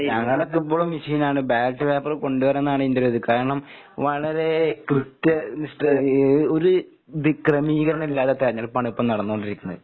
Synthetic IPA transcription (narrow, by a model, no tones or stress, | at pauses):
ɲɐŋːɐɭɐkːipːoːɭumːiʂiːnaːɳɨbaːʈːɨpeːpːɐrko̞ɳɖuʋɐɾɐnːaːɳɨind̪iɾoːðɨkaːɾɐɐɳɐm | ʋɐɭɐɾe̞krit̪ːɐniʂʈɐoɾu | d̪ikrɐmiːɣɐɾɐnilːaːt̪ːet̪ɐɾɐɲːɐlɭpːaːɳipːɐmnɐɽɐnːukoɳɖiɾikʲːunːɐ̰ðɨ